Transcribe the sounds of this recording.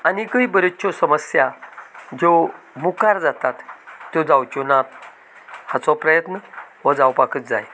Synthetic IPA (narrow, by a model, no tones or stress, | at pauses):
anikəibəɾet͡ɕɔsəməsjad͡ʑo | mukaɾd͡zat̪at̪ːjɔd͡zawt͡ɕunat̪ | hat͡sɔpɾəjət̪nəʋəd͡zawpakət̪̚d͡za̰j